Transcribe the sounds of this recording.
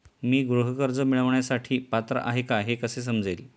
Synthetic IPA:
miːɡɾuɦəkəɾd͡zəmiɭəʋɳjasaʈʰiːpat̪ɾə̰ʔaɦekaɦekəses̬əmd͡zel

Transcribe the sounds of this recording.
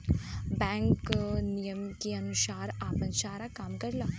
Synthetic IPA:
bɛ̃ŋknijəmkijəmʃaːɾaːpənʃaːɾakaːmkəɾlaː

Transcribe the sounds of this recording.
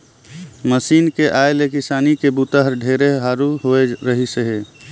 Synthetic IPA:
məsiːnkeʔaːelekɪsaːnikebut̪əɦəɾɖʱeːɾeɦɦaːɾuɦoeɾəɦisəɦeː

